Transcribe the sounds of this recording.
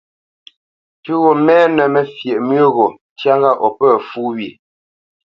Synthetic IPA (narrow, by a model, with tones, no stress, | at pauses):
tʉ˦ɣo˨mɛː˦nə˨mɛ˨fje˨ʔmɥə˦ɣo˨ | tja˦ŋɡa˦ʔɔ˨pə˦˨fu˦wɥi˨